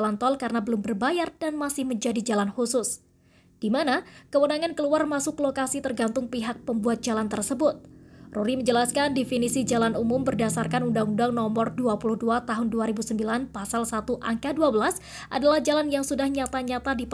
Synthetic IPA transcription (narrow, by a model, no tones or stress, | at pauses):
lant̪ɔlkaɾənabəlʊmbərbajardanmasɪhməɲd͡ʒadid͡ʒalanhusʊs | d̥imanakəwənaŋankəluarmasʊklokasit̪ərɡant̪ʊŋpiɦak̚pəmbuat̪̚d͡ʒalant̪ərsəbʊt̪̚ruɾiməɲd͡ʒəlaskandifinisid͡ʒalanumʊmbərdasarkanundaŋundaŋnɔmɔrduapuluhduat̪aɦʊnduaɾibusəmbilanpasalsat̪uʔaŋkaduabəlas | ʔa̰dalahd͡ʒalanjaŋsudahɲat̪aɲat̪adip